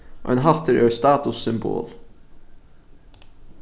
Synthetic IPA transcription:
ʔo̰ːeːnɦɑlt̪ʰəɾʔøːst̪ɑːt̪ʊsʏmbo̰ːl

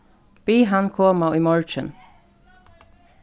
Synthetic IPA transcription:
b̥iːɦankʰoːmaiːmɔɹt͡ʃən

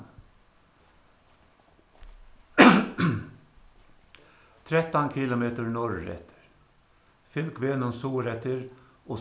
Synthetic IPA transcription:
t̪ʰɾɛt̪ɑnkʰɪlʊmeːt̪əɹnɔɹɾɛ̰t̪ʰə̥ɾ | fʏlkʰʋeːnənsuːɾɛt̪ʰəɹ | oː

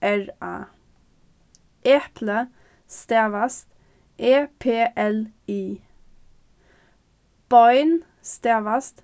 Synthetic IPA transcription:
æɹɑ̰ː | ʔɛpʰlə | st̪eːʋɑst̪ | ʔeːpʰeːʔɛliː | b̥ɑɪn | st̪eːʋɑst̪

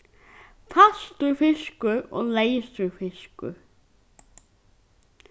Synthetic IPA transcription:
fast̪ʏɹfɪʃkʏɔ̰ɣleːjsʏɹfɪʃkʏ̰

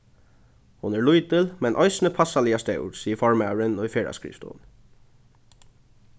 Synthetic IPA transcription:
hʊnæːɹɭuʏd̪əlmɛnʔœʏsnəpʰɑsɑliːɑst̪œ̰ʉ̰ɹsiːəfɔɹmɑʉɹənɔifeːɹɑ̰skɾḭːft̪əʊ̰n

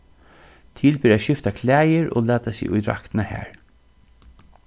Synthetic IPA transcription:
t̪ʰɪlpɪːɾæːʃɪft̪akʰlæːjəɹʔo̰ːlæːt̪asḭːʔʊj̪ɾa̰kt̪nahæ̰ːɹ

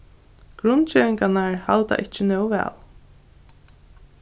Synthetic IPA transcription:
ɡ̥ɾʊnt͡ɕɛːvɪŋkanaɹhalt̪a̰ʔɪht͡ʃɪnœwvɛ̰ːl

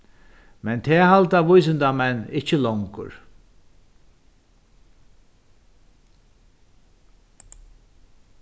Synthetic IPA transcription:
mɛnt̪ʰɛːɦalt̪aʋʊjs̬ɪnd̪amɛnːɪht͡ʃɪlɔŋkʊ̰ɾ

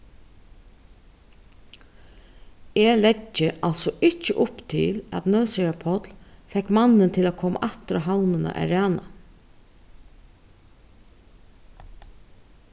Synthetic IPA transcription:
ɛlɛcːəʔalsɔʔɪt͡ʃːəʔʊpt̪ʰɪ̰læ̰t̪nœsɪapʰɔt̪lfɛkmanːənt̪ʰɪlakʰɔːma̰ʔaht̪ɾaɦawnənə̰ʔæ̰ɾæːna

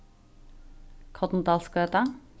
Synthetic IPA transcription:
kʰɔt̪n̩d̪ɑːlskøːt̪ɑ

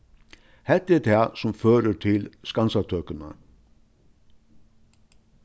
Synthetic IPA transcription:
hɛt̪ːəɛɾt̪ʰɛːsʊmføːɾət̪ʰɪlskansat̪ʰøːkəna̰

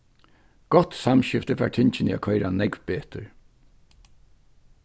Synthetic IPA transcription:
ɡ̥ɔt̪samʃɪft̪əfa̰ːɹt̪ʰɪɲt͡ʃɪnia̰kʰɔjɾanɛkvbeːt̪əɹ

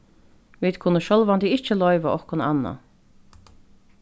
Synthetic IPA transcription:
ʋiːd̪kʰʊnːəʃœlʋand̪ɪɪht͡ʃəlɔʏʋaʔɔhkʊnɑ̰nːa̰

